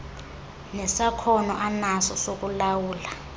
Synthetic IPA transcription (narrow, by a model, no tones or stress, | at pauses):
nɛsakʰɔnɔʔanasɔsok̬ʼulawuːla